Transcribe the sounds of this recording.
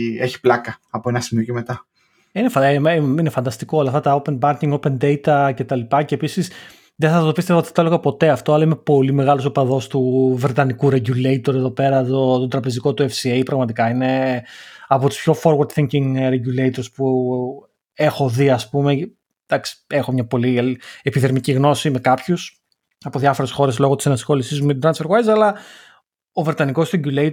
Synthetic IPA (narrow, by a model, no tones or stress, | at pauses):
eçi̥plɐkɐɐpoe̞nɐsimioceme̞t̪ɐ | inefminefɐnd̪ɐst̪ikolɐft̪ɐt̪ɐope̞nbɐɾciŋɡo̞pe̞nd̪ejt̪ɐce̞t̪ɐlipɐce̞ːpisis | ðeθɐt̪o̞pist̪evɐot̪iθɐt̪oloɣɐpo̞t̪e̞ɐft̪o̞ɐlɐimepo̞lime̞ɣɐlosopɐðo̞st̪uvɾe̞t̪ɐnikuɾe̞ɟulejt̪o̞ɾeðo̞pe̞ɾɐt̪ot̪od̪ɾɐpe̞ziko̞t̪uefsiejpɾɐɣmɐt̪ikɐine̞ | ɐpo̞t̪u̥spço̞fo̞ɾɣɐɾt̪θiŋciŋɾe̞ɟulejt̪o̞ɾspu | e̞xo̞ðiɐspume̞ | d̪̥ɐksi̥e̞xo̞mɲɐpo̞liepiðeɾmiciɣno̞sime̞kɐpçus | ɐpo̞ðʝɐfo̞ɾe̞sxo̞ɾe̞slo̞ɣot̪isɐnɐsxo̞lisizmumet̪d̪ɾɐnsfeɾɣwejzɐlɐ | o̞vɾe̞t̪ɐniko̞sɾeɟuleit